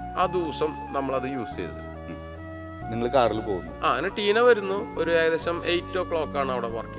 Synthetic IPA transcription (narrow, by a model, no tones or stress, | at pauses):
aːd̪uːsɐm | nɐmːɐɭɐðɨjuːst͡ɕejðɨ̰ | niŋːɐɭkaːrilpo̞ːɣunːuaːɐnʈiːnɐʋɐɾunːuoɾuaːjɐðeɕɐme̞jtːoːkɭo̞ːkːaːɳɐʋiɽepɐrɐki